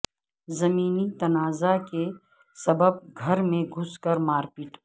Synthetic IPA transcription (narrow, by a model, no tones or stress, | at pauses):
zɐmiːnit̪ɐnaːzake | sɐbəb̚ɡʱɐɾmẽɡʱʊskəɾmaːɾpiːʈʰ